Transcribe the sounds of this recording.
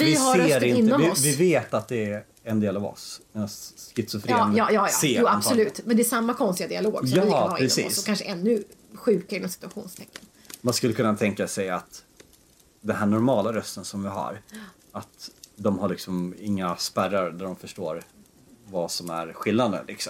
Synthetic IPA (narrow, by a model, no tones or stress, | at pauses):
ɪɪhsaeːɾɪnɪnːɔɪɔvɪveːt̪at̪̚d̪ɛ | ɛnd̪eːlavɔ̰smɛːnaskɪt̪səfɾɑːjɑːjɑːjɑ̰seːuːasɔlʉ̟ːt̪mɛnd̪ɛːsamːakʰɔnst̪ɪɡad̪ɪaloːɡsjɑːɪɾɛsḭɔːsɔkanʂəʔɛnːɵɧʉ̟ːkaɾɪnɔmsɪ̥t̪ɵaɧṵːnst̪ʰɛkːən | manskɵlːəkʰɵnːat̪ʰɛŋkasɛjat̪ | d̪ɛnɦæːɳɔɾmɑːlaɾœst̪ənsɔmvɪɦa̰ɾ | at̪d̪ɔmhaɭɪksɔmɪŋːaspæɾaɾd̪æɖɔmfœʂʈoːɾ | vasɔmæ̰ɾɧɪlːnad̪ə̰lɪksɔm